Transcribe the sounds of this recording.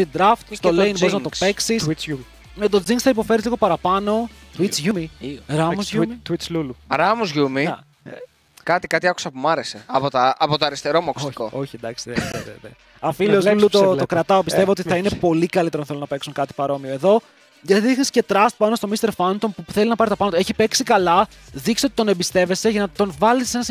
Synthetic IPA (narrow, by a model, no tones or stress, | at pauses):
st̪id̪ɾɐft̪st̪olejnbo̞ɾiznɐt̪ope̞ksis | met̪od͡ziŋɡsθɐipo̞fe̞ɾizliɣo̞pɐɾɐpɐno̞t̪uit͡sʝumiɾɐmuzʝumt̪wiluluɾɐmuzʝumi | kɐt̪ikɐt̪iɐku̥sɐpumɐɾeseɐpot̪ɐɐpot̪oɐɾist̪eɾo̞moktikooçind̪ɐkst̪eveve | ɐfilozlulut̪ot̪okɾɐt̪ɐopist̪e̞voot̪iɐinepo̞likɐlit̪eɾonθelonɐpeksunkɐt̪i̥pɐɾo̞mioe̞ðo̞ | ʝɐt̪iðixnisce̞t̪ɾɐst̪̚pɐno̞st̪o̞mist̪e̞ɾfɐnt̪o̞mpuθe̞linɐpɐɾit̪oɐpɐnot̪oeçipe̞ksikɐlɐ | ðiksiot̪i̥t̪o̞nebist̪e̞ve̞se̞ʝɐnɐt̪o̞nvɐlise̞nɐs